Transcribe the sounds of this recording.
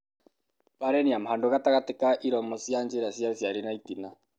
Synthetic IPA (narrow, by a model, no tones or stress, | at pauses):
paɾɛniamhandoɣataɣatekaʔiɾɔmɔsiand͡ʒeɾasiasjaɾenaitina